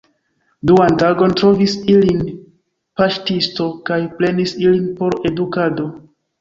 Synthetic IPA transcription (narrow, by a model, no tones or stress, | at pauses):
duantaɡo̞ntɾo̞visilin | paʃtisto̞kajple̞nisilinpo̞ɾe̞dukado̞